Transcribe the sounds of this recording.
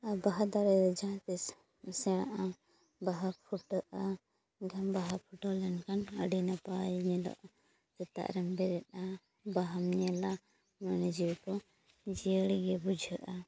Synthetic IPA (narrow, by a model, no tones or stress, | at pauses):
abaɦad̪aɾɛdɔd͡ʒãt̪ɛs | sɛãʔa | baɦapʰuʈəʔa | ɡʱɛmbaɦapʰuʈɔlɛnkanə̰ɖinapaɲɛlɔ̰ʔ | d͡ʒ̪ɛt̪a̰ʔɾɛmbɛɾɛta | baɦamɲɛla | manɛd͡ʒiwkɔ | d͡ʒiəɽɡɛbud͡ʒʱəʔa